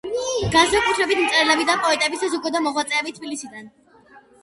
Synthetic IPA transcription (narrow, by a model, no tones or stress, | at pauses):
ɡ̥ansakʼut̪ʰɾɛbit̪ʰmt̪sʼɛɾlɛbid̪apʼɔɛt̪ʼɛbisasukʼɔd̪amɔʁwat̪sʼɛːbit̪ʰbilisid̪an